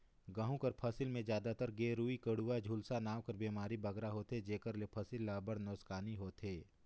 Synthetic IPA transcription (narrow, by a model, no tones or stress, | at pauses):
ɡəɦũkəɾpʰəsɪlmẽd͡ʒjaːd̪at̪əɾɡeːɾuːikəɽuːad͡ʒʱuːlsanaːʋkəɾbeːmaːɾibɐɡɾaɦoːt̪ɦed͡ʒeːkəɾlepʰɐsɪlːaːbəɽnɔːskaːniɦoːt̪ɦeː